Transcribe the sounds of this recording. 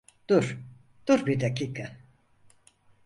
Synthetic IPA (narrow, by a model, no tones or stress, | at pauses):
d̪̥uɾ̥ | d̪̥uɾbiɾd̪aciːkʰa